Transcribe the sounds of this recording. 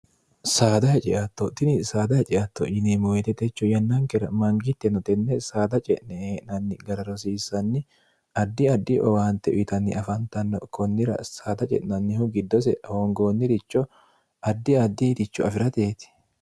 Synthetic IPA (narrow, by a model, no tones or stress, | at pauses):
saːd̪ɐhɛt͡ʃʼɛʔɐt̪ːɔt̪ɪnɪsaːd̪ɐhɛt͡ʃʼɛʔɐt̪ːɔ̰ʔɪnemɔwɛt̪ɛt̪ɛt͡ʃːɔjɐnːɐŋkɛɾɐmɐŋɡɪt̪ːɛnɔt̪ɛnːɛsaːd̪ɐt͡ʃʼɛʔnɛeːʔnɐnːɪɡɐɾɐɾɔsiːsːɐnːɪ | ɐd̪ːɪɐd̪ːɪʔɔ̰waːnt̪ːɛʔʊ̰t̪ɐnːɪʔɐfɐnt̪ɐnːɔ̰kʰɔnːɪɾɐ̰saːd̪ɐt͡ʃʼɛ̰ʔnɐnːɪhʊɡɪd̪ːɔs̬ɛhɔŋɡoːnːɪd̪ɪt͡ʃːɔ | ɐd̪ːɪɐd̪ːiːt̪ɪt͡ʃːɔɐfɪɾɐt̪eːt̪ɪ̥